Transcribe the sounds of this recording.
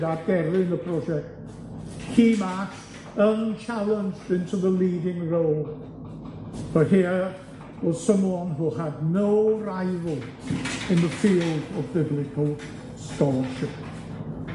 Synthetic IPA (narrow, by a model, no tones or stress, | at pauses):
dad̚ɡɛɾɪ̃nəpʰɾ̥ɔd͡ʒɛk̚t | hiːmat | ənt͡ʃʰalˠə̃nd͡ʒdɪ̃ntʰuðəliːdɪ̃ŋɹoʊlˠ | b̥əhiə | b̥od̥sə̃mwɔnɦuhədⁿnoʊɾaɪvəlˠ | ɨ̃nðəfiːlˠdəvbɪblɪkʰəlˠ | stɔʃɪp